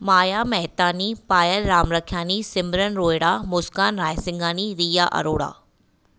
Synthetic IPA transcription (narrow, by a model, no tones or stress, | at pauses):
maːjamɛɦt̪aːnipaːjəlɾaːmɾɐkʰjaːnisɪmbɾənɾoːjɽamʊskaːnɾaːjsɪ̃ŋɡaːniɾiːjaʔɐ̰ɾoːɽa̰ː